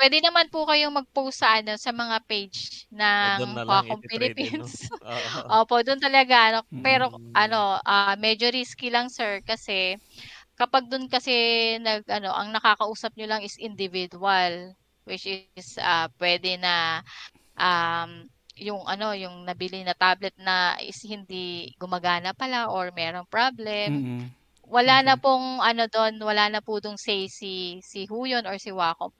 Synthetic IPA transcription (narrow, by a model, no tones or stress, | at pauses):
pwɛːd̪ɛnɐmanpʊkɐjoŋmɐɡ̚powsɐʔɐno̞sɐmɐŋapejd͡ʒnɐŋakompɪlɪpins | ʔoːpo̞ʔd̪ʊnt̪ɐlɐɡaʔɐno̞pɛːɾo̞ʔɐno̞ʔamɛd͡ʒo̞ɾiskilɐŋsɛɹkɐsɛ | kɐpaɡ̚d̪ʊnkɐsɛnɐɡ̚ʔɐno̞ʔɐŋnɐkaːkɐʔuːsɐp̚ɲolɐŋɪsʔɪnd̪ɪvid̪uɐl | wɪt͡ʃʔɪsapwɛːd̪ɛnɐ | ʔam | jʊŋʔɐno̞jʊŋnɐbilɪŋnɐt̪ablɛt̪̚nɐɪ̰shɪnd̪iɡʊmɐɡaːnɐpːɐlaʔoɹmɛːɾoŋpɹablɛm | wɐlaːnɐpʊŋʔɐno̞d̪o̞nwɐlaːnɐpʊd̪ʊŋsɛjsisɪɦuːjonoɹsɪwaːko̰m